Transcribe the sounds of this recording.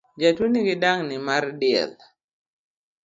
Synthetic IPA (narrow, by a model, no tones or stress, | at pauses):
d͡ʒatwuniɡɪdaŋnɪmardɪɛ̰l